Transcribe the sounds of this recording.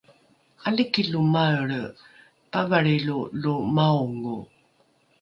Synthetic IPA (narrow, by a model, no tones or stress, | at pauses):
alikilumaəɭ | pavaɭilulumauŋu